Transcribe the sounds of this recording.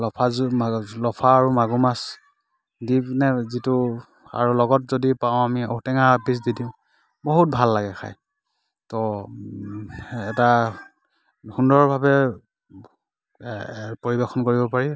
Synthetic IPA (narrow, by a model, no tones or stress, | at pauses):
lɔpʰaalɔpʰaːɹumaɡumas | dinɛzitu | a̰ɹulɔɡɔtzodipaʊ̃amiɔ̰tɛŋapis̬didĩʊ̃ | bɔɦut̚bʱalːaɡɛkʰa̰j | tɔ | ɛta | hundɔɹbʱabɛ | poɹibɛxɔnkoɹibɔpaɹi